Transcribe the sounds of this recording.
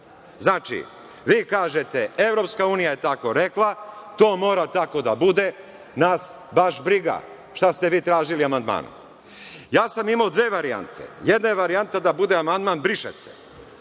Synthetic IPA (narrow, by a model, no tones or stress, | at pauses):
znaːt͡ʃḭ | ʋiːkaːʒet̪e̞e̞ʋɾo̞pskauːnijaje̞t̪ako̞ɾe̞klˠat̪o̞ːmo̞ːɾat̪ako̞d̪abud̪e̞ | nas | baʃbɾiɡa̰ | ʃt̪ast̪e̞ʋiːt̪ɾaːʒiliamand̪ma̰ːnṵ | jaːsamimaod̪ʋeːʋaɾia̰nt̪ʰḛjed̪najeʋaɾiant̪ad̪abud̪eamand̪manbɾiʃḛsḛ